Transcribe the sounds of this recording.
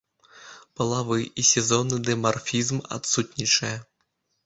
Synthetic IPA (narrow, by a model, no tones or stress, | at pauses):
pɐlˠavɨʔisʲɛzɔnːɨd̪ɛmarfʲizma̰t̪sut̪ʲnʲit͡ʂɐjɐ